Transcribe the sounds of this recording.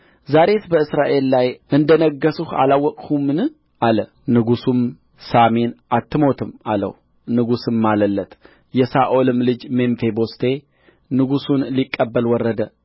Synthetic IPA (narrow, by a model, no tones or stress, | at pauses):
zaɾe̞t̪bəɨsɾaʔe̞lːajʔɨnd̪ənəɡːəsuha̰lawːɔkʼhumɨnɨ | ʔalə | nɨɡusum | samenʔat̪ʰːɨmo̞t̪ʰɨmalə̰w | nɨɡusɨmːaləlːət̪ | jɛsaʔolɨmlɨd͡ʒme̞ɱfe̞bo̞st̪ʰe̞ | nɨɡusunlikʼːəbːəlwɔrːəd̪ə